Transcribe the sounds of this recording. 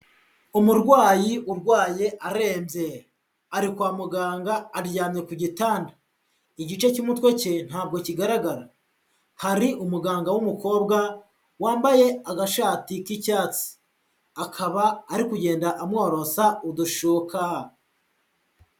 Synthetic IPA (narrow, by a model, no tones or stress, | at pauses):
umuɾɡwaːjiʔuɾɡwaːjeʔaɾe̞ːmbje̞ | aɾikwaːmuɡaːŋɡaːɾɟaːmɲe̞kuɟitaːnda | iɟit͡ʃe̞cumutwe̞cen̥haːb̚ɡo̞ciɡaɾaɡaɾa | haɾiʔumuɡaːŋɡawumuko̞ːbɡa | waːmbaje̞aɡaʃaːtikicaːt͡si̥ | akʰaβaːɾikuɟe̞ːndaʔamŋo̞ːɾo̞sauduʃuːkʰa